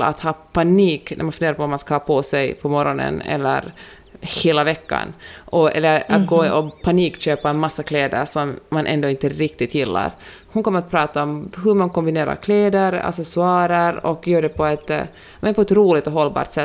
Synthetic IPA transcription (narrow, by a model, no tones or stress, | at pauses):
la̰t̪hɑːpʰaniːknʔæɾmanfɵndeːɾapɔɔmanskahɑːpʰɔsɛjpʰɔmɔɾɔnə̰nɛ̰lːə̰ɾ | heːlavɛkːa̰nʔɔɛ̰lːəɾat̪̚ɡoːɔpʰaniːkɕøːpaɛnmasːakʰleːd̪ə̰ɾʂɔmːanʔɛ̰nd̪oːɪnt̪əɾɪkt̪ɪt̪ʰjɪlːa̰ɾ | hʊnkʰɔmːəɾat̪pʰɾɑːt̪aɔmɦɵmankɔmbɪneːɾa̰ɾkʰleːd̪əɾa̰sɛsʊɑːɾəɾɔ̰kːjœːɖɛpʰɔɛt̪ | mɛnpʰɔɛt̪ɾuːlɪɡ̚t̪ɔɦɔlːbɑ̰ːɾʈ̪sɛ